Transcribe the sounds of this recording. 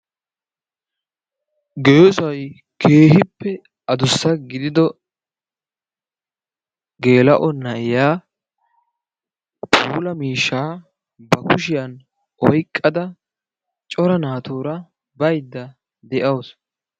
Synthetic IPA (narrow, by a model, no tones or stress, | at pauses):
ɡejɔsʊɐj | kʰe̞ːhɪpːɛ | ɐd̪ʊsːɐɡɪd̪ɪd̪ɔ | ɡe̞ːlɐʔɔnɐjaː | pʰʼuːlɐmiːʃːaː | bɐkʊʃɪjɐn | ɔjkʼːɐd̪ɐ | t͡ʃʼɔɾɐnaːt̪oːɾɐ | bɐjd̪ːɐ | d̪ɛʔɐws